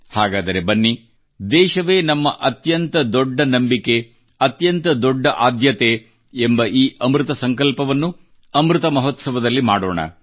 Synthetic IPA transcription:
haːɡaːd̪ɐɾe̞bɐnːi | d̪ɛːʃɐʋe̞ːnɐmːɐʔɐt̪jɐnt̪ɐd̪ɔɖːɐnɐmbike̞ | ɐt̪jɐnt̪ɐd̪ɔɖːɐʔaːd̪jɐt̪eː | mbɐʔiːʔɐmɾut̪ɐsɐŋkɐlpɐʋɐnːu | ɐmɾut̪ɐmɐɦot̪sɐʋɐd̪ɐlːimaːɽo̞̰ːɳɐ̰

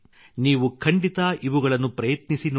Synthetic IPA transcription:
niːʋukʰɐɳɖit̪ɐʔiʋuɡɐɭɐnːupɾɐjɐt̪nisin

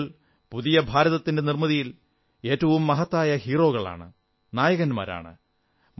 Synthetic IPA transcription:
l | puðijɐbʱaːɾɐðɐt̪ːinde̞nirmɐðijil | e̞ːtːɐʋumːɐɦɐt̪ːaːjɐhiːro̞ːɣɐɭa̰ːɳɨ | naːjɐɣɐnma̰ːɾa̰ːɳɨ̰

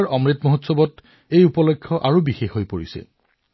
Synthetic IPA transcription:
ɹɔmɹitmoɦotsɔbɔt | ejupɔlɔkʰːɔʔaɹubixexɦojpoɹḭsɛ̰

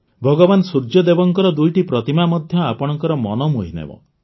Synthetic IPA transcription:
bʱɔɡɔbansuɾd͡ʒɔd̪ebɔŋkɔɾɔd̪ujʈipɾɔt̪imamɔd̪ʱjɔapɔɽ̃ɔŋkɔɾɔmɔnɔmuɦinḛbɔ̰

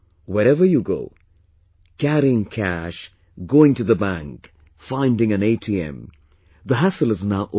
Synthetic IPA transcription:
wɛɾɛvə˞juɡoʊ | kʰæɾiɪ̃ŋkʰæʃ | ɡoːɪ̃ŋtuðəbæ̃ŋk | fãɪ̃ndɪ̃ŋɨ̃neɪtʰiɛ̰̃m | ðəɦasəlɨznaʊʔo

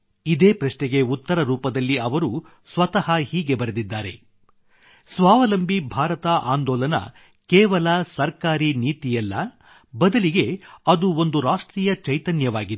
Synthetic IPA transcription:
id̪eːpɾɐʂnɛɡe̞ut̪ːɐɾɐɾuːpɐd̪ɐlːiɐʋɐɾu | sʋɐt̪ɐɦɐhiːɡe̞bɐɾed̪id̪ːaːɾe̞̰ | sʋaːʋɐlɐmbʱibʱaːɾɐt̪ɐʔaːnd̪ɔːlɐnɐ̰ | kɛːʋɐlasɐɾkaːɾiniːt̪ijɛlːɐ | bɐd̪ɐliɡe̞ɐd̪uo̞nd̪uɾaːʂʈɾiːjɐt͡ʃɐjt̪ɐnjɐʋaːɡid̪

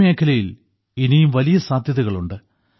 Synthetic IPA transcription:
me̞ːkʰːɐlɐjil | inijumʋɐlijɐsaːd̪ʱjɐðuɣɐɭuɳɖɨ

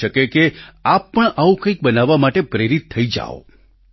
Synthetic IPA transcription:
əkekeapːəɳaʋũkə̃ĩk̚bənaʋːamaʈepɾeɾit̪ʰːəid͡ʒa̰o̰

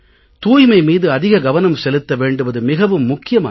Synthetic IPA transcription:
t̪uːjmɐɪmiːðɯɐðɪɣɐɡɐʋɐnɐmsɛlɯt̪ːɐʋeːɳɖɯʋɐðɯmɪɣɐʋɯmːʊkːɪjɐma̰ː

